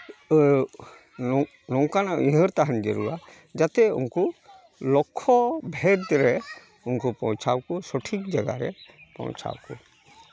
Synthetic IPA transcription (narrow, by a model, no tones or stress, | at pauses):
nɔŋkanaʔiɦəɾt̪aɦand͡ʒəɾuwa | d͡ʒat̪ɛṵŋku | lɔkʰːɔbʱɛdd̪ɾɛ | uŋkupɔ̃wt͡ʃʰawkusɔʈʰik̚d͡ʒaɡa̰ɾɛ̰pɔ̰̃w̃t͡ʃʰa̰wkṵ